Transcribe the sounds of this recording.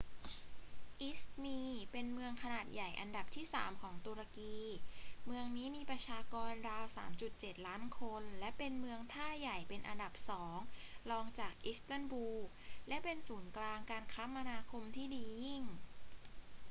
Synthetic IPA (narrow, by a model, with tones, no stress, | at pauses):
ʔi˦˥smiː˧pe˧nmɯ˧əŋkʰa˧naː˨˩t̪̚ja˨˩jʔa˧nda˨˩p̚t̪ʰiː˥˩saː˩˦mkʰɔː˩˦ŋt̪u˧ɾa˧kiː˧mɯ˧əŋniː˦˥miː˧pɾa˧t͡ɕʰaː˧kɔː˧nɾaː˧wsaː˩˦mt͡ɕu˨˩t̪̚t͡ɕe˨˩t̪̚laː˦˥nkʰo˧nlɛ˦˥pe˧nmɯ˧əŋt̪ʰaː˥˩ja˨˩jpe˧nʔa˧nda˨˩p̚sɔː˩˦ŋlɔː˧ŋt͡ɕaː˨˩k̚ʔi˦˥st̪a˥˩nbuː˧ | lɛ˦˥pe˧nsuː˩˦nklaː˧ŋkaː˧nkʰa˦˥pma˧naː˧kʰo˧mt̪ʰiː˥˩diː˧ji˥˩ŋ